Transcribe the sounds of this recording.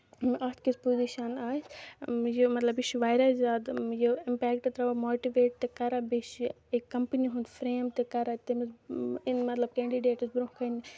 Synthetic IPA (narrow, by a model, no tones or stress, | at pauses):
mɐt̪kispoːziʃɐnaːsjomɐt̪lɐbɪʃʋaːɪɾɐzaːd̪joɪmpɛːkʈt̪ɾɐʋɐmoːʈiʋeːʈ̚t̪ekɐɾɐbiʃ | ekːɐmpəniɦũnd̪fɾeːmt̪ekɐɾɐt̪emisɪnmɐt̪lɐb̚kɛ̃ːɳɖiɖeːʈsbɾokɐn